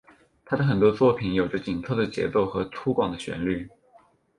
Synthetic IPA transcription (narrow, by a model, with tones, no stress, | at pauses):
t̪ʰa˥d̪ə˨xə˨˩nt̪wɔ˥t͡swɔ˥˩pʰi˧˨˥njo˨˩ʊʈ͡ʂə˧˦t͡ɕi˨˩nt̪ʰɤ˥˩d̪ə˩t͡ɕjɛ̰˧˥t͡so˥˩ʊxɤ˧˥t̪ʰu˥kwɑ˨˩ŋd̪ə˦ɕɥɛ̰˧˥nly˥˩